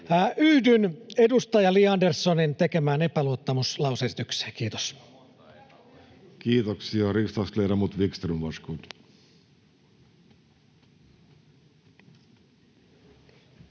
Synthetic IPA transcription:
ʔyhdynedust̪ɑjɑliɑndersːonint̪ekemæːnepæluot̪ːɑmuslɑwsesi̥t̪ykse̥ːkiːt̪o̥s | kiːt̪oksiɑrist̪ɑskleɾɑmut̪ʋikst̪rinʋɑskut̪

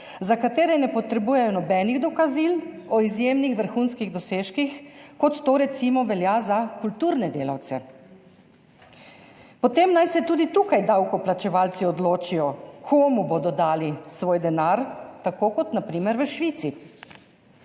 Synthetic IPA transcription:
zakat̪eːɾɛnɛpɔt̪ɾɛbuːjɛjɔnɔbɛniɣd̪ɔkazilɔizjeːmnixʋəɾxunskiɣd̪ɔseːʃkixkɔt̪ːoːɾɛt̪simɔʋɛljazakult̪uːɾnɛd̪eːla̰wt̪sɛ̰ | pɔt̪emnajsɛt̪uːd̪it̪uːkajd̪awkɔplat͡ʃɛʋaːlt̪siɔd̪loːt͡ʃijɔkʰoːmuboːd̪ɔd̪aːlisʋoːjd̪ɛnaɾt̪akoːkɔt̪napɾiːmɛɾʋəʃʋit̪si

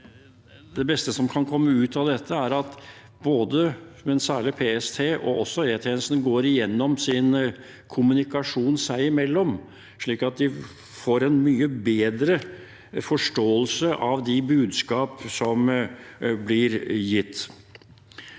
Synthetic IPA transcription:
d̪ɛbɛst̪əsɔmkʰɑnkʰɔmːəʉːt̪ɑd̪ɛt̪ʰːəæɾɑt̪ | boːd̪əmɛnsæːɭɪpʰeːɛst̪ʰeːʔɔ̰ʔɔsːɔeːt̪ʰɛːnsn̩ɡoːɾɪjɛnːɔmsɪn | kʰʊmʉnɪkɑʂuːnsæɪɪmɛlːɔm | ʂɭiːkɑt̪̚d̪ɪ | foːɾɛnmyːəbeːd̪ɾə | fɔʂʈoːəlsəʔɑʋd̪ɪbʉːd̪skɑːpsɔm | blɪɾjɪt̪ː

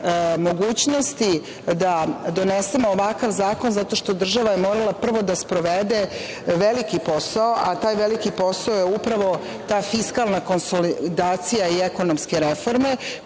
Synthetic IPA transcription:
mo̞ɡuːt͡ɕno̞st̪i | d̪ad̪o̞nese̞moːʋakaʋzaːko̞nzat̪o̞ʃt̪o̞d̪r̩ʒaʋajemoːɾalˠapr̩ʋo̞d̪aspɾo̞ʋed̪e̞ | ʋe̞likipo̞saoʔat̪aːjʋelikipo̞saojeupɾaʋo̞ | t̪aːfiskalˠnako̞nsolid̪aːt̪sijaieko̞nomske̞ɾefo̞ɾme̞

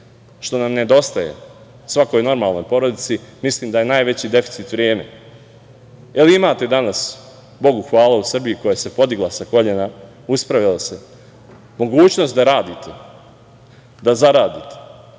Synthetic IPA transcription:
ʃt̪o̞namne̞d̪o̞st̪ajḛ | sʋako̞jno̞ɾmaːlnojpo̞ɾo̞d̪it̪simisliːmd̪aje̞naːjʋe̞t͡ɕid̪e̞fi̥t̪sit̪ʋɾje̞ːme̞̰ | eliimaːt̪e̞d̪anas | bo̞ɡuxʋaːlˠausr̩bijuko̞jase̞po̞d̪iɡlˠasako̞ʎena | uspɾaʋilase̞ | mo̞ɡuːt͡ɕno̞st̪d̪aɾaːd̪it̪e | d̪azaɾaːd̪it̪e̥

